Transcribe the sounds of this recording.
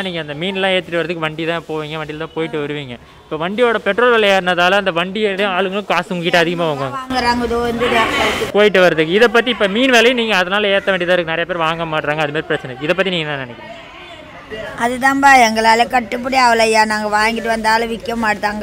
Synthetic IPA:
niːŋɡɐnd̪ɐmiːnɛlːãːeːɾt̪ːɯʈːɯʋɐɾɐðɯkːɯʋɐɳɖit̪ãːpoːʋiːŋɡɐʋɐɳɖɪlt̪ãːpoːjɪʈːɯʋɐɾɯʋiːŋɡɐ | ɪpːoːʋɐɳɖɪjoːɽɐpɛʈɾoːlʋɛːlɐjaːɾɯnɐðaːlɐ̃ɐnd̪ɐʋɐɳɖɪjɐlɐ̃aːɭɯŋɡɐɭɯ̃kaːsɯŋɡɐkɪʈːɯɐðɪɣɐmaːʋaːŋɡɐʋaːŋɡɐŋɡɐɾaːŋɡɐðoːʋɐnd̪ɯðãpoːjɪʈ̬ːɯʋɐɾɐðɯkːɯɪðɛp̬ːɐt̪̬ːiɪpːoːmiːnʋeːlɐjʊ̃niːŋɡɐːðɐnaːlɐeːɾt̪ːɐʋeːɳɖɪt̪̬ãːɪɾkːɯnɐɾɐjɐpeːɾʋaːŋɡɐmaːʈːɾaːŋɡɐðɯmaːɾipɪɾɐt͡ʃːɐnɐɪðɐp̬ːɐt̪ːiniːŋɡɐt̪ãːnɪnɛkːɪɾḭːŋɡɐ | ɐðɯt̪ãːmbaːɛŋɡɐɭaːlɐkɐʈːɯp̬ːʊɽiaːʋɐlɐjaːnaːŋɡɐʋaːŋɡɪʈːɯʋɐnd̪aːlɐʋɪkːɐmaːɽɯt̪ːaːŋɡɐ

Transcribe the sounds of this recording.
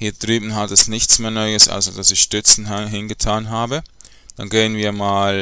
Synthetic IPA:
hiːɐd̥ʁyːbn̩ɦatɛsnɪçt͡smeːɐnɔʏəsʔa̰ʊsɐd̥asɪçʃtʏt͡sn̩ɦɪnɡətʰaːnɦaːbə | dd̥anɡeːənviːɐmaːl

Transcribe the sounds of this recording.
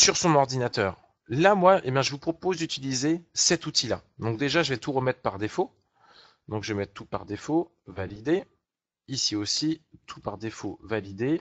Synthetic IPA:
syʁsɔ̃nɔʁd̪inat̪œːʁ | lamwaʔebjɛ̃ʒəvupχɔpozd̪yt̪ilizesɛt̪ut̪ʰilad̪ɔ̃k̚d̪eʒaʒəvɛt̪uʁəmɛt̪χpaʁd̪efo | d̪ɔ̃kʒəvɛmɛt̪̚t̪upaʁd̪efo | valid̪e | isiosit̪ʰupaʁd̪efovalid̪e

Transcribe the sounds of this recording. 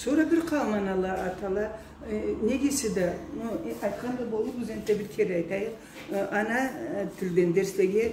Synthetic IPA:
soɾɑbɪɾqʰɑlˠmɑnɑlˠɑːt̪ɑlˠɑ | ne̞ɡʲesed̪ɑnoɑjt̪qʰɑnd̪ɑbo̞lˠəɾbʊzend̪d̪ebɪɾkʲʰeɾɑjt̪ɑjəq | ʔɑnɑt̪ʰɪld̪end̪e̞ɾsleɡʲe

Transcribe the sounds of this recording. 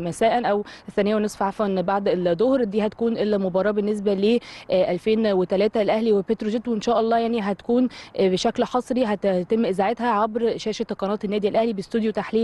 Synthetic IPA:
mæsæːʔænʔæweθːænejːæwensˤfʕafwænbaʕd̪eld̪ˤːohɾd̪iːhæt̪æ̥kuːnʔelmobɑɾˤɑːbenːes̬bæleʔælfeːnwet̪ælæːt̪ælʔæhliwepet̪ɾoʒet̪ːwenʃæːʔɑlˤːɑːjaʕniɦæt̪æ̥kuːnbeʃæklħɑsˤɾiɦæt̪emːʔezaʕet̪hæʕabɾʃæːʃæt̪qɑnɑːt̪ˤenːæːd̪iælʔæhlibest̪ud̪jot̪aħliːl

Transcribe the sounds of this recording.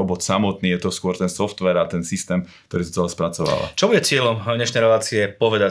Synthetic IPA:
ɔbɔt̪samɔt̪niːjɛt̪ɔskʊɔɾt̪ɛnsɔft̪ʋɛɾat̪ɛnsist̪ɛːmkt̪ɔɾiːsɔ̥t͡sɛlɛspɾat͡sɔʋa̰ʋa̰t͡ʃɔbuɟɛt͡sɪɛlɔmɲɛʃnɛjɾɛlaːt͡siɛpɔʋɛd̪a

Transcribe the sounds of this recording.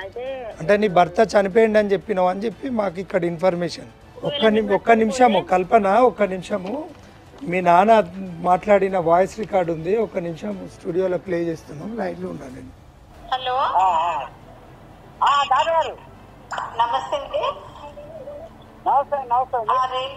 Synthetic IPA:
ɐɳʈeniːbɐɾt̪ɐt͡ʃɐnipejɐɳɖɐnit͡ʃe̞pːinɐːɐnit͡ʃe̞pːimaːk̬uikːɐɽɐinpʰɐɾmeːʂɐn | ɔkːɐniɔkːɐnimʂɐmkɐlpɐnɐɔkːɐnimʂɐmu | miːnaːnamaːʈlaːɽinɐʋaːjɐsɾikaːɾɖund̪iɔkɐnimʂɐmsʈuːɽijoːloːpleːd͡ʒe̞ːst̪und̪aːmlɐjʈloːɳːaːnɐni | hɐloː | aːdaːɾɡaɾu | nɐmɐst̪ɐnd̪i | nɐmɐst̪ɐinɐmɐst̪ɐnai

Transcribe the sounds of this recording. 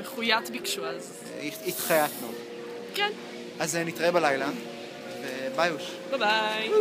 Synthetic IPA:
meχujat̪bikʃuaz | iit̪χajat̪no | kɛn | ʔazenit̪ʁaebalajland̪ | vebajuʃ | b̥abaj

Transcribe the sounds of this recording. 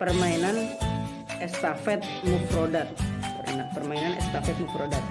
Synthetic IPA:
pərmainan | ɛst̪afɛt̪̚mukɾodat̪̚əɾnapərmainanɛ̰st̪afɛt̪̚mukɾodat̪̚

